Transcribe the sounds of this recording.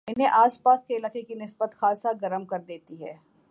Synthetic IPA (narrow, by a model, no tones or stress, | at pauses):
ɪnɦẽʔaːspaːskeɪlaːkekinɪsbət̪xaːsaɡɐɾəmkɐɾd̪eːt̪iɦɛː